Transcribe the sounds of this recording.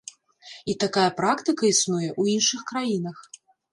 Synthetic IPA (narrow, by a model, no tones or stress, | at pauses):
it̪akajɐpɾakt̪ɨkɐisnujɛʔuinʂɨxkɾajin̪ɐx